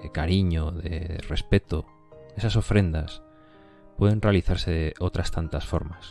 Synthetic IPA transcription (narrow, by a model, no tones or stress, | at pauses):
ekaɾiɲoðḛrespet̪o | esasofɾend̪as | pweðenrealiθaɾseðeʔot̪ɾast̪ant̪asfo̰ɾmas